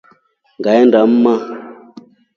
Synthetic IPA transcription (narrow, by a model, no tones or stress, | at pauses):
ŋɡaɛndam̩ma